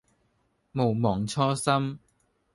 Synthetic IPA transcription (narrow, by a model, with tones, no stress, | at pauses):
mo˨˩wmɔː˨˩ŋt͡sʰɔː˥sɐ˥m